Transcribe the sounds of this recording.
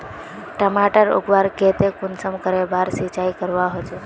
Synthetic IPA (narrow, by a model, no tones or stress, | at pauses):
ʈəmaʈəɾṵɡʋaɾket̪ekʊnsəmkəɾebaɾsit͡ʃajkəɾʋaɦot͡ʃe